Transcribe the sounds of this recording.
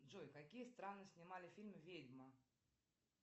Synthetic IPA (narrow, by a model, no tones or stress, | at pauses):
ʐɔjkakʲijəst̪ɾanːɨsʲnʲimalʲɪfʲilʲmvʲedʲmɐ